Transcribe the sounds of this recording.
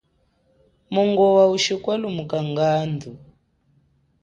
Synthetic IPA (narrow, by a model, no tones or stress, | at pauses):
muŋɡɔwauʃikwalumukaŋɡaːndu